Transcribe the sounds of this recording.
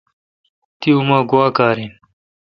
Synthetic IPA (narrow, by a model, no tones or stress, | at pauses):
t̪iumaːɡwaːkaːɾiːn